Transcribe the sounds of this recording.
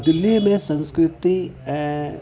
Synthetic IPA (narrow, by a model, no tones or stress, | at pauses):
d̪ɪlːijmẽsɐ̃nskɾɪt̪i